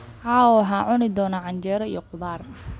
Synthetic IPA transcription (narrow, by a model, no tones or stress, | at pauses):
ʕaːwɔɦaːʕʊnɪd̪ɔːnɐʕɑɲt͡ʃɛːɾɐḭjɔqʊðaːr